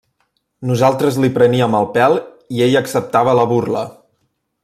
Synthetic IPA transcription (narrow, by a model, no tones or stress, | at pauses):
nuzalˠt̪ɾəzlipɾəniəməlˠpɛlˠ | ieʎəksəp̚t̪aβ̞ələβurlə